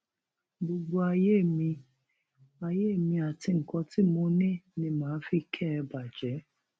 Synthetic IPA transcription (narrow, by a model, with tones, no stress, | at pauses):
ɡ͡bo˨ɡ͡bo˧a˧je˦˨mi˧ | a˨je˦˨mĩ˧a˨tɪ˧ŋ̩˨kɔ˧ti˦mo˧˦nɪ̃˦nĩ˧mãː˨˦fi˦kʰɛ˦˧ba˨d͡ʒɛ˨˦